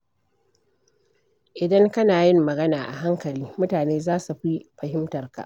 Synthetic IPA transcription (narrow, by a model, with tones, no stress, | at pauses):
ʔɪ˨dɐ˦ŋkɐ˦naː˨jɪ˦mːɐ˨ɡɐ˦naː˨ʔa̰˨ɦa˦ŋkɐ˨liː˦mʊ˦taː˨neː˦zaː˦su˨ɸi˦ɸɐ˨hɪ˦mtɐ˨rka̰˨ʔ